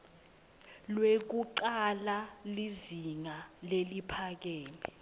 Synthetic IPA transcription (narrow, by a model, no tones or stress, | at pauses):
lwek̬uǃalaliziŋalelipʰak̬eːni